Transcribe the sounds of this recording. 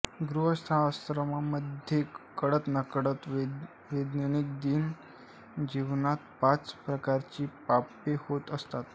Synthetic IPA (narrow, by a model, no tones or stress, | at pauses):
ɡɾuɦəst̪ʰaast̪ɾəmaməd̪ʱjekəɽət̪nəkəɽət̪ | ʋed̪nəɳik̚d̪iːn | d͡ʑiʋnat̪pat͡spɾəkaɾt͡ɕiːpapehot̪əst̪at̪